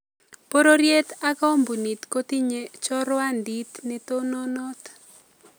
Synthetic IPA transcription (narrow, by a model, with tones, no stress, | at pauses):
po˦ɾo˦ɾje˦t̪a˦ka˦o˦mbu˨ni˨t̪ko˦t̪i˦ɲe˦t͡ʃɔ˦ɾwa˦ndi˦t̪nɪ˦t̪o˦nɔ˦nɔ˦t̪